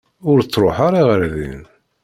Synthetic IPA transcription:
ʊɾt͡sːɾˤoħaɾˤiʁəɾðḭn

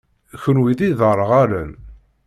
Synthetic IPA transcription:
çənwiðiðəɾˤəʁaɾæn

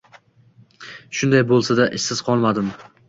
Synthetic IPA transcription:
ʃʊnd̪ajbolˠsad̪aʔɪʃsɪzqʰɒlˠmad̪ɪm

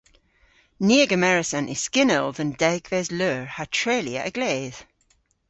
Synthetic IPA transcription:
niəɡəmɛɹɪsə̃nʔɪ̥skɪnəlˠðə̃ndɛɡvɛzløːɹhatʰɹ̥eːliə̰ʔəɡleːð̥

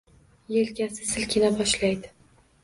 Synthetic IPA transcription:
jelkʲasɪsɪlkʲʰɪnabɒʃlajd̪ɪ

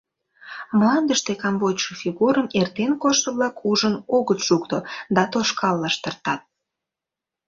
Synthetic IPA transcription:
mlɑnd̪əʃt̪ekɑmbotʲʃəfiɣuɾəmert̪enkoʃt̪əβlɑkʰuʒənoɣət̪ʃukt̪od̪ɑt̪oʃkɑlːɑʃt̪ərt̪ɑt̪̚

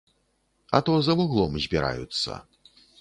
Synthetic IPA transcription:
ɐt̪ɔzɐvuɣlˠɔmzʲbʲiɾa̰jṵt̪sːɐ̰

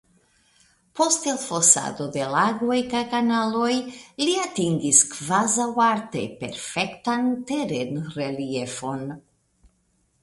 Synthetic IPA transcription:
po̞stelfosa̰d̪o̞de̞laɡojkajkanalojliatiŋɡiskvazawaɾtḛpe̞̰ɾfe̞ktanteɾe̞nrelie̞fo̞n

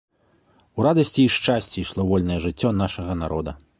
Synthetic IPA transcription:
uɾad̪ɐsʲt͡sʲiiʂt͡ʂasʲt͡sʲiʂlˠɔvɔlʲnɐjɛʐɨt͡sʲːɔnaʂɐɣɐnaɾɔ̰d̪ɐ

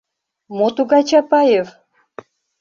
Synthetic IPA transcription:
mot̪uɣɑjt͡ɕɑpɑjev

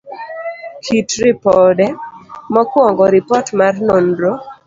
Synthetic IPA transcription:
kʰitɾɪpɔdɛmɔkwɔŋɡɔɾɪpɔtmarnonɾo

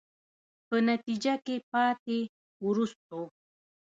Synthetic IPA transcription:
pənat̪id͡ʒakepɑt̪e | wɾust̪̚o

